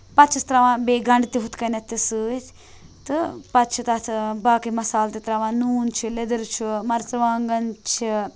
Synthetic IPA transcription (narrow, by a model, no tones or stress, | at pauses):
pɐt̪t͡ʃʰist̪ɾɐʋãːbeːɡɐɳɖt̪iɦut̪kɐnɐt̪ːisɨːt̪ʰ | t̪ɨpɐt̪t͡ʃʰit̪ɐt̪ʰbaːkimɐsaːlt̪it̪ɾɐʋãːnuːnt͡ʃʰiled̪ɐɾt͡ʃʰumɐɾt͡sɐʋaːŋɡɐnt͡ʃʰi